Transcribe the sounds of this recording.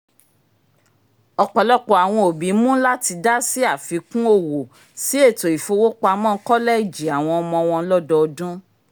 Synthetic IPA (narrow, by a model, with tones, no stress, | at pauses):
ɔ˧k͡pɔ˨lɔ˦k͡pɔ˨a˨w̃ɔ̃˧o˨bĩ˨˦mũ˦la˦ti˧da˦si˦a˦˨fi˨˦kũ˦o˦˨wo˨ | si˦e˦˨to˨i˨fo˧˦wo˦k͡pa˧mɔ̃˦˧˦kɔ˦lɛ˦i˦˨d͡ʒi˨a˨w̃ɔ̃˧ɔ˧mɔ̃˧ɔ˧w̃ɔ̃˧˦lɔ˦dɔ˧ɔ˧dũ˦